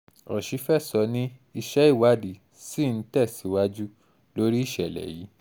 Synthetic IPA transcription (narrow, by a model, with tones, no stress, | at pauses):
ɔ̰˨ʃi˨˦fɛ˦˨sɔ˨˧nĩ˦i˧ʃɛ˦i˦˨wa˦di˨ | si˦˨n̩˨˦tɛ˦˨si˨˦wa˦d͡ʒu˦ | lo˦ɾi˦i˦˨ʃɛ˨lɛ̰˨ji˨˦